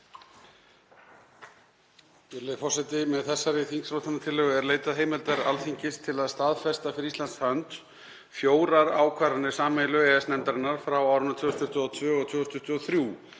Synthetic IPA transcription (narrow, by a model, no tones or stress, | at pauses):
lfɔr̥sɛt̪ɪmɛðθɛsːaɾɪθiŋksɾowt̪anːat̪ʰɪlːœɣʏɛɾleːjt̪aðɦeːjmɪlt̪aɾa̰lfiɲcɪst̪ʰɪlaðst̪aðfɛst̪afɪɾist̪lanshœnt̪ | fjoːwɾaɾa̰ːwkʰvaɾanːɪ̥saːmɛlʏɛɛsnɛnt̪aɾɪnːaɾ̥fɾawawɾʏnat̪ʰvʏːst̪ʰʏht̪ʏɔt̪ʰvʏːɔt̪ʰvʏːɣst̪ʰʏht̪ʏɔθɾjuː